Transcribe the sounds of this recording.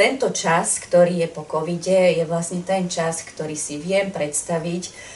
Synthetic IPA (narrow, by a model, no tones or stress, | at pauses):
t̪ɛnt̪ɔt͡ʃaskt̪ɔɾiːjɛpɔkɔʋiɟɛjɛʋlasɲɛt̪ɛnt͡ʃaskt̪ɔɾiːsiʋɪɛmpɾɛt̪st̪aʋic